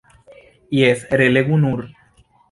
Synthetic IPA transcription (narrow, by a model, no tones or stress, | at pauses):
iesɾeleɣunuɾ